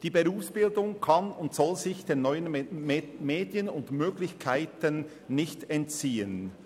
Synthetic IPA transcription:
d̥iːbeʁuːfsb̥ɪldʊŋkʰɑnʊntsɔlzɪçd̥eːnɔʏən | meːdjənʊntmøːɡlɪçkʰaɪtənː | ɪçtɛntt͡siːən

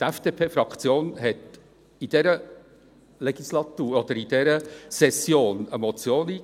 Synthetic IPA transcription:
t̪ɛfd̥eːpʰeːfɾɑkt͡sjoːnɦɛt̪ | id̥̪ɛɾə | lɛɡ̥islɑt̪uːɾɔd̪əɾid̥ɛɾəsɛsjoːnəmɔt͡sjoːniː

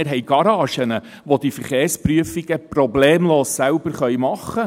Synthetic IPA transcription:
ɪɾɦɛjɡ̥ɑɾɑːʃənə | ʋodifəɾχeːɾspryəfiɡəprɔbleːmloːssælbəɾχœjmɑχːə

